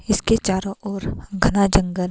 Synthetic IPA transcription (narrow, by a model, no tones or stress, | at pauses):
ɪsket͡ʃaːɾõʔɔːɾɡʱɐnad͡ʒə̃ŋɡəl